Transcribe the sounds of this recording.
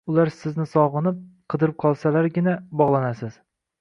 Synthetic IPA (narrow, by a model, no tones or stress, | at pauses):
ʊlaɾsɪznɪsɒʁɨnɪp̚qʰɨd̪ɪɾɪp̚qʰɒlˠsalaɾɡʲɪnabɒʁlˠanasɪz̥